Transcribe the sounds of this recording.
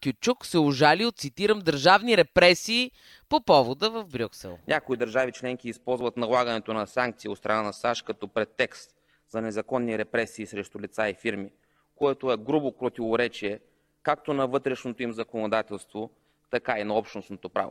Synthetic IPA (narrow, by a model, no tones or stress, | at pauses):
kʲjut͡ʃuksɛʊʒaliot̪sit̪iɾəmd̪əɾʒavniɾɛpɾɛsiː | popɔvod̪əvɐvbɾʲuksɛ̰lˠnʲʔakoid̪əɾʒavit͡ʃlɛŋk̟iːspɔlˠzvət̪nɐlˠaɡənɛt̪onɐsaŋk̚t̪siːot̪st̪ɾɐnanɐsaʃkɐt̪ɔpɾɛt̪ːɛkst̪ | zɐnɛzɐkɔnːiɾɛpɾɛsiːsɾɛʃt̪ʊlit̪saifiɾmi | koɛt̪oɛɡɾubopɾot̪ivoɾɛt͡ʃiɛ | kak̚t̪onɐvɤt̪ɾɛʃnot̪oimzɐkonod̪at̪ɛlˠst̪vo | t̪ɐkainɐɔpʃt̪nosnot̪opɾa̰vo̰